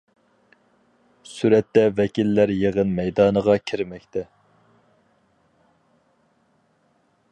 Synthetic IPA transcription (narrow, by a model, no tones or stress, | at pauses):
syɾɛt̪ːɛvɛkʲilːæɾjeʁənmɛjd̪ɑːnəʁɑkʲʰiɾmɛkʲt̪ʰɛ